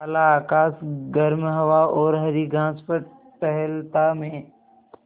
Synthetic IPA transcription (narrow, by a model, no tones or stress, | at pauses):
ɐlaːkaːsɡəɾmɦɐʋaɔːɾɦɐɾiɡʱãːspəɾ | pɛɦɛlt̪amẽ